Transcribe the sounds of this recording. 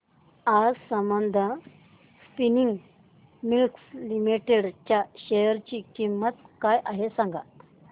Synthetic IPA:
ad͡zsəmbənd̪ʱə | spiniŋɡ | milkslimiʈeɽt͡ɕjaɕejəɾt͡ɕiːkimːət̪kajʔaɦesãŋɡa̰t̪

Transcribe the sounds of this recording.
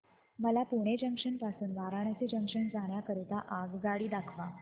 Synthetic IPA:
məlapuɽ̃ed͡ʑəŋkʂənpasuːnʋaɾaɳ̃jat͡sed͡ʑə̃ŋkʂəɳd͡zaɳjakəɾit̪aʔaɡɡaɽiːd̪akʰʋa

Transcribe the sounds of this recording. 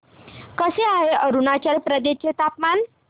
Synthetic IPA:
kəseaɦeəɾunat͡ɕjaɾpɾəd̪eɕjet̪apman

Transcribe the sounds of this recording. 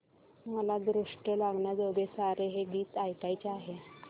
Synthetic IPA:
məlad̪ɾuʂʈəlaɡɳjad͡zəɡesaɾeɦeɡiːt̪ajkajt͡ɕeaɦe

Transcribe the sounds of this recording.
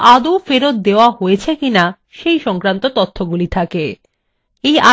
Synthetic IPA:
ad̪ufeɾot̪̚d̪eoaɦoet͡ɕʰekina | ʃejʃɔŋkɾant̪ot̪ot̪ʰːoɡulit̪ʰake | ejʔa

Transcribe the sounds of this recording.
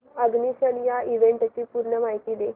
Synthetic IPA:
əɡniːsənijaiʋeɳʈət͡ɕiːpuɾɳəmajt̪iːd̪e

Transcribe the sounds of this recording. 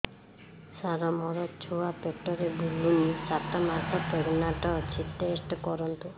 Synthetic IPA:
saɾɔmɔɾɔt͡ʃʰuapekʈɔɾebʱulunisat̪ɔmasʰɔpeɡnaʈɔt͡ʃʰit̪ːesʈkɔɾɔnt̪u

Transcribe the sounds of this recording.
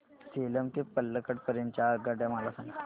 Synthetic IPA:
seləmt̪ipəlːəkəʈpəɾeɲt͡ɕaːɡaɖjamalasaŋɡət̪

